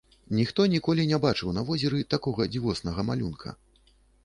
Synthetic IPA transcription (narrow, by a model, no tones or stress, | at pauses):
nʲixt̪ɔnʲikɔlʲinʲɛbat͡ʂɨwnɐvɔzʲɛɾɨt̪akɔɣɐd͡zʲivɔsnɐɣɐmalʲunkʰɐ̰